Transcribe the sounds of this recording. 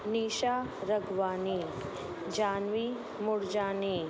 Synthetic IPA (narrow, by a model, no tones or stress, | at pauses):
niːʃaː | ɾɐɡʋaːni | d͡ʒaːnʋi | mʊɾd͡ʒaːni